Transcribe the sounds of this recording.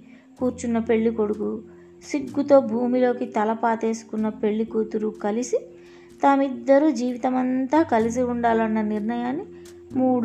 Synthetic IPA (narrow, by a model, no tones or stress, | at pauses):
kuːɾt͡ʃunːɐpe̞ɭːiko̞ɽuku | siɡːut̪o̞ːbʱuːmilo̞ːkit̪ɐlɐpaːt̪e̞ːsu̥kunːɐpe̞ɭːikuːt̪uɾukɐlisi | t̪aːmid̪ːɐɾuːd͡ʒiːʋit̪ɐmɐnt̪aːkɐlis̬iuɳɖaːlɐnːɐniɾnɐjaːnːi | muːɽ